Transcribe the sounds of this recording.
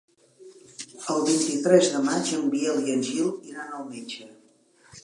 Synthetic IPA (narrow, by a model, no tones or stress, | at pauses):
əlˠβint̪it̪ɾɛzðəmad͡ʒəmbiɛlˠjənʲʒilˠiɾanəlˠmenʲd͡ʒə